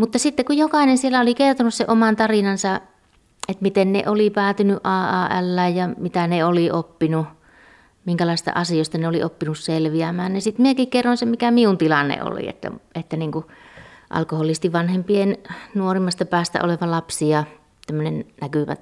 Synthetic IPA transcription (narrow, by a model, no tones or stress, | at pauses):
mut̪ːɑsit̪ːekujjokɑˑinensielːæolikert̪onusseʔomɑnt̪ɑrinɑnsɑ | ʔet̪mit̪ennḛʔolipæːt̪ynyʔʔɑːʔɑːælːæjjɑmit̪æneoliopːinu | miŋkælɑˑist̪ɑ̰ʔɑsiost̪ɑneoliʔopːinusselʋiæmæːnnisit̪miekikkerːonsemikæmiunt̪ilɑnːḛo̰lḭḛt̪ːæ̰et̪ːæniːŋkuʔɑ̰lkoholːˑist̪iʋʋɑnhempiennuorimːˑɑst̪ɑpæːst̪æ̰ʔo̰leʋɑlɑpsiɑ | t̪æmːønennækyʋæ̰t̪